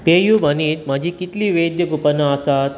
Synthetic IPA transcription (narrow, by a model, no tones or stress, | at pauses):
pejubʱəniːt̪mad͡ʑʱikit̪liːʋed̪jəɡupənaːsat̪